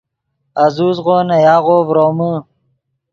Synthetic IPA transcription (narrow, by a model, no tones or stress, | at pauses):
ɐzuːzʁoːnɐjaːʁoːvɾoːmə